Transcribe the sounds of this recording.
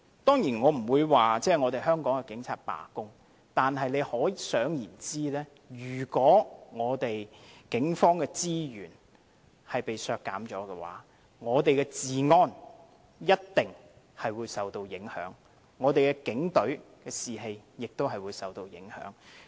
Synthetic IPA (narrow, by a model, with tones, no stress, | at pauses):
t̪ɔː˥ŋjiː˨˩nŋɔː˨˧m̩˨˩wuː˨˧jwaː˨t͡sɛː˥˩ŋɔː˨˧t̪e˨jɦœː˥ŋkɔː˨˥ŋkɛ˧kɪ˨˥ŋt͡sʰaː˧t̚pa̰ː˨˩kʊ˥ŋ | t̪aː˨nɦɐ˨jne˨˧jhɔː˨˥sœː˨˥ŋjiː˨˩nt͡siː˥lɛː˥ | jyː˨˩kɔː˨˥ŋɔː˨˧t̪e˨jkɪ˨˥ŋfɔː˥ŋkɛː˧t͡siː˥jyː˨˩n | hɐ˨jpe˨jsœː˨˧kːaː˨˥mt͡ʃɔː˨˥kɛ˧wa̰ː˨˥ | ŋɔː˨˧t̪e˨jkɛ˧t͡siː˨ŋɔː˧n | jɐ˥t̚t̪ɪ˨ŋ | hɐ˨jwuː˨˧jsɐ˨wt̪o˧wjɪ˨˥ŋhœ̰ː˨˥ŋː | ɔː˨˧t̪e˨jkɛː˧kɪ˨˥ŋt̪ɵ˨˥ɥkɛː˧siː˨ɦe˧jjɪ˨k̚t̪o˥wɦɐ˨jwuː˨˧jsɐ˨wt̪o˧wjɪ̰˨˥ŋhœ̰ː˨˥ŋ